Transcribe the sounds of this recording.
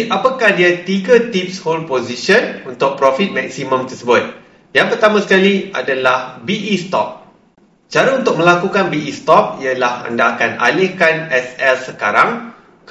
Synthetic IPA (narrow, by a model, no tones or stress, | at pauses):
ʔapakahdiat̪iɡat̪ip̚sholpoziʃənunt̪ʊk̚pɾɔfit̪̚mɛk̚simə̃mt̪ərsəbʊt̪̚ | jaŋpərt̪amãsə̥kaliʔa̰dalahbiʔist̪ɔ̰p̚ | t͡ʃaɾaunt̪ʊk̚mə̃lakukanbiʔist̪ɔp̚iəlaha̰ndaːkana̰lɪhkanɛsɛlsəkaɾaŋ | k